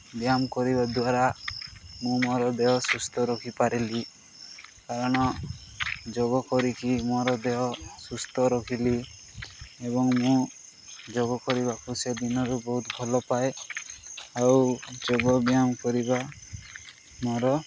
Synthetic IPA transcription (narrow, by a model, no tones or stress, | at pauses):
bjamkɔɾiβad̪waɾa | mũmɔɾɔd̪eɦɔsust̪ʰɔɾɔkʰipaɾili | kaɾɔɽ̃ɔ | d͡ʒoɡɔkɔɾikimɔɾɔd̪eɦɔsust̪ʰɔɾɔkʰili | eβɔŋmũ | d͡ʒoɡɔkɔɾibakused̪inɔɾubɔɦut̪bʱɔlɔpae | awd͡ʒoɡɔbjamkɔɾiba | mɔɾɔ